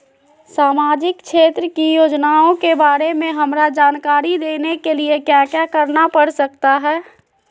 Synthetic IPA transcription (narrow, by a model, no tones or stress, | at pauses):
saːmaːd͡ʒɪkʃeːt̪ɾəkijoːd͡ʒnaõkebaːɾemẽɦəmɾad͡ʒaːnkaːɾid̪eːnekeliekjaːkjakəɾnapəɽsək̚t̪aɦɛː